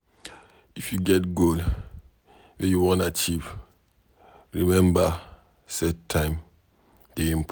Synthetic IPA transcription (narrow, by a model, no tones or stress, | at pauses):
ifjuɡɛt̚ɡol | wẽjuwɔ̃nat͡ʃiv | ɹimɛ̃mba | sɛtʰːãɪ̃m | d̥eĩmp